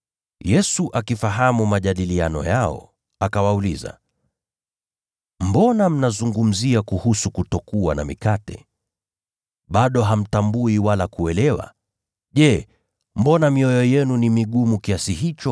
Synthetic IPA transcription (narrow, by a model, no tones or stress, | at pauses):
jɛsuʔakifaɦamumaʄaɗilianɔ̰jaɔ̰ | akawauliza̰ | m̩bɔnam̩nazuŋɡum̩ziakuhusukutɔkuwana̰mikatɛ̰ | ɓaɗɔɦam̩tambuiwalakuɛlɛwa̰ | ʄɛ | m̩bɔnamiɔjɔjɛnunimiɠumukiasiɦit͡ʃɔ